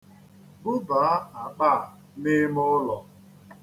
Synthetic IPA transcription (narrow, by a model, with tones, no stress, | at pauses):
bʊ˦ba˨a˦a˨k͡pa˦˨ | nɪ˦mʊ˦lɔ˨